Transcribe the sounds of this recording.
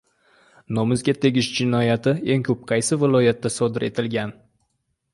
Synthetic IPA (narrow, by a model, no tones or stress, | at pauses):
nomɪzɡʲat̪ʰe̞ɡʲɪʃd͡ʒɪnɒjat̪ʰɪe̞ŋkʲʰɵp̚qʰɑjsɪvɪlˠɒjat̪ːasɒd̪ɪɾʔe̞t̪ʰɪlɡʲan